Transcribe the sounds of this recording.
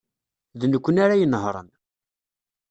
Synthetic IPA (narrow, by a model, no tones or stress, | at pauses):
ðnəkʷːənaɾajənəɦɾˤə̰n